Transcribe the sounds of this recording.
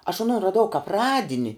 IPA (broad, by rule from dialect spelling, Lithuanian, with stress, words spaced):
ɐʃ ɐˈnoːn rɐˈdɐʊ kɐp ˈrɑːdʲɪnʲɪ